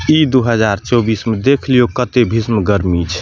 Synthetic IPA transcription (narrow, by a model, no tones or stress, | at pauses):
id̪uɦəd͡ʒaɾt͡ʃɔbismed̪ekʰlijokət̪ebʱismɡəɾmit͡ʃʰ